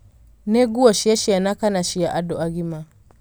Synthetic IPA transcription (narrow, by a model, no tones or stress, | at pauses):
nɛɡuɔʃiaʃianakanaʃijaʔadɔaɡima